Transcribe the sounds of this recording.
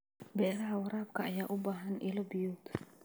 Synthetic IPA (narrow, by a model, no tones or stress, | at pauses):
bɛːɾɐɦɐwɐɾaːb̚kʰɐːjaːʔʊbaːɦɐnʔɪlɔbɪjɔːd̪